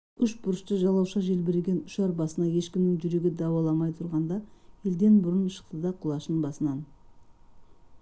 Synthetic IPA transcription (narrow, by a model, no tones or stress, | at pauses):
ʏʃbʊɾəʃt̪əʒɑlˠɑwʃɑʒe̞lbeɾeɡʲe̞nʊʃɑɾbɑsənɑje̞ʃkʲɪmnɪŋʒʏɾe̞ɡʲɪd̪ɑwɑlˠɑmɑjt̪ʰʊɾʁɑnd̪ɑje̞ld̪e̞nbʊɾənʃə̥q̚t̪əd̪ɑqʰʊlˠɑʃənbɑsənɑn